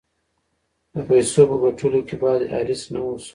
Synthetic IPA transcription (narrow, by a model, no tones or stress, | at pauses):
d̪əpajsopəɡaʈʰulokebɑd̪a̰ɾɪsnawos